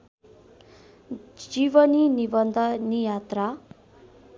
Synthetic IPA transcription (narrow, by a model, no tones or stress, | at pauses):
d͡ʒiʋəninibənd̪ʱənijat̪ɾa